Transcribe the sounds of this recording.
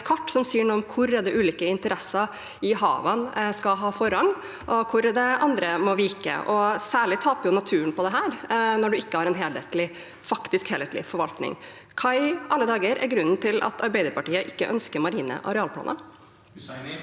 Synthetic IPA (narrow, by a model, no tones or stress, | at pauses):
t̪kʰɑʈːsɔmsiːəɳuːɔmkʰʊɾɛd̪ɛʔʉːliːkəɪnt̪əɾɛsɑ | ɪɦɑ̰ːʋɑnskɑɦɑːfɔɾɑŋ | ʔɔkʰʊɾd̪ɛʔɑnd̪ɾəmɔʋɪːkə̰ʔɔsæːɭɪt̪ʰɑːpəjʊnɑt̪ʰʉːənpʰɔd̪ɛɦæːɾnɔɖʉɪkːəhɑɾɛnɦeːlɛt̪lɪ | fɑkt̪ɪskheːlɛt̪lɪ̰fɔɾʋɑlt̪nɪ̰ŋ | kʰɑɪʔɑlːəd̪ɑːɡəɾæ̰ɾɡɾʉnːnt̪ʰɪlʔɑ̰t̪ʰɑɾbæɪd̪əɾpɑʈiːəʔɪkːəʔœnskəɾmɑɾiːnə̰ʔɑ̰ɾɛɑːlpʰlɑ̰ːnʔə̰